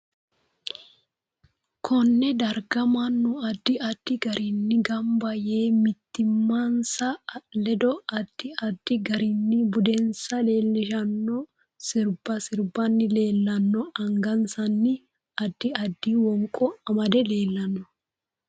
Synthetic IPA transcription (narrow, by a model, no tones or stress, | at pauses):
kʰɔnːɛd̪ɐɾɡɐmɐnːʊɐd̪ːɪɐd̪̥ːɪɡɐɾinːɪɡɐmbɐje̞ːmɪt̪ːɪmːansɐlɛd̪ɔɐd̪̥ːɪɐd̪ːɪɡɐɾinːɪbʊd̪ɛnsɐle̞ːlːɪʃɐnːɔ | sɪɾbɐsɪɾbɐnːɪle̞ːlːɐnːɔʔɐŋɡɐnsɐnːɪ | ɐd̪ːɪɐd̪ːiːwɔŋkʼɔɐmɐd̪ɛle̞ːlːɐnːɔ̥